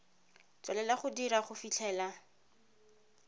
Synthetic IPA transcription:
t͡swalɛlaχʊdiɾaχʊfit͡ɬʰɛːla

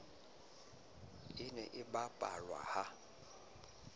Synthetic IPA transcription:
ɪnɛʔɪbapʼa̰lwa̰ha

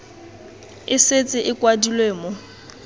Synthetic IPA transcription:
ɪset͡sʼɪʔɪkʼwadilweːmʊ

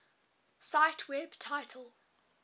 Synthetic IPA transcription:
saɪtʰwɪb̥tʰaɪtʰəlˠ

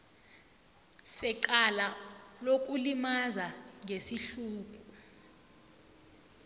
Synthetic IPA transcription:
sɛǃalalok̬ʼulimazaŋʱesiɬuːk̬ʼu

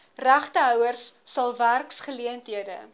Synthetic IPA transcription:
ræχtəɦœwərsːɐlˠværksχəliəntɦiədə̰

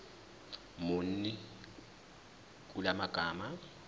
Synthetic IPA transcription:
mʊn̩nɛ | kʼulamaɡ̥ʱaːma

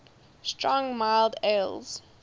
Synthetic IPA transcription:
stʰɹɔ̃ŋmaɪlˠdelˠz̥

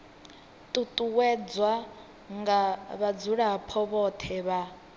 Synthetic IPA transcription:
t̪ʼut̪ʼuwɛd͡zwa | ŋɡaβad͡zuɺapʰɔβɔt̪ʰɛβa

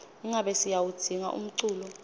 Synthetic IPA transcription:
iŋʱaɓɛsijawud̥ʱiŋa̰ʔṵm̩ǀuːlɔ

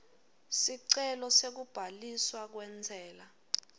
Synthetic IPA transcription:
siǀɛlɔsek̬ub̥ʱaliswak̬wɛnd͡zʱɛːla

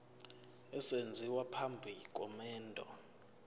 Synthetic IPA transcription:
ɛsend͡zʱiwapʰambʱikʼɔmɛːndʱɔ

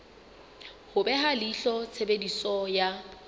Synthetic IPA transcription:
hʊbɛɦaliɬɔt͡sʰebedisɔja

